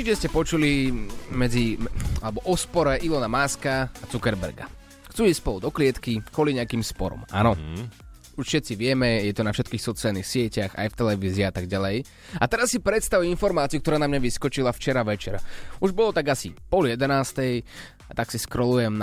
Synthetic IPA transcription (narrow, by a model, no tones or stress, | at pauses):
iɛscɛpɔt͡ʃulimɛd͡zialɛbɔʔɔspɔɾɛʔilɔnamaːskaat͡sukɛɾbɛ̰ɾɡa̰ | xt͡suːiːsspɔld̪ɔklɪɛt̪kikʋɔliɲɛakiːmspɔɾɔ̰ma̰ːnɔ | uʃfʃɛt̪t͡siʋɪɛmɛjɛt̪ɔnafʃɛt̪kiːxsɔt͡sɪalˠnixsɪɛcaxa̰jft̪ɛlɛʋiːzɪːat̪aɡɟalɛj | at̪ɛɾasːipɾɛt̪st̪aʋujinfɔɾmaːt͡siukt̪ɔɾaːnamɲaʋiskɔt͡ʃilaft͡ʃɛɾaʋɛt͡ʃɛɾauʒbɔlɔt̪aɡasipɔljɛd̪ɛnaːst̪ɛj | at̪aksiskɾɔlujɛmn